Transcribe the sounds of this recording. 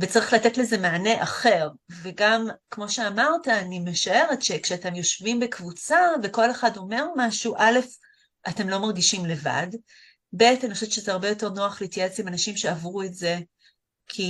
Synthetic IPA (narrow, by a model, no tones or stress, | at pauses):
vet͡saʁiχlatetleze̞maːne̞ʔaχe̞ʁ | veɡamkmo̞ʃe̞amaʁtaːnime̞ʃae̞ʁe̞tʃekʃeate̞mjo̞ʃvimbekvut͡saveko̞le̞χado̞me̞ʁmaʃuʔale̞f | ʔate̞mlo̞maʁɡiʃimle̞va̰d | be̞taniχʃetʃezeaʁbejo̞te̞ʁnoaχletijat͡simanaʃimʃe̞avʁuetze̞ | kʰi